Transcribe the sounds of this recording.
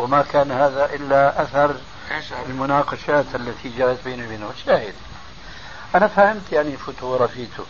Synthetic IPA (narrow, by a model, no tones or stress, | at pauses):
wɪmakaːnhaːðaʔɪlːaʔaθɑɾˤ | ɪlmʊnɑːqɑʃaːt̪ʔalːat̪ʰid͡ʒaːʔat̪biːnibiːnʊaʃaːhɪd̪ | ʔanafahɪmt̪jaʕnilfʊt̪ʊɾˤɑfiːt̪ʊ̰